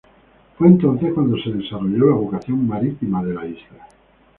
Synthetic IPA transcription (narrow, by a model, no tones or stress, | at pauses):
fwe̞ːnt̪õ̞n̟θehkwand̪o̞se̞ðe̞saroʎolaβokaθjo̞ŋmaɾit̪imaðe̞laizla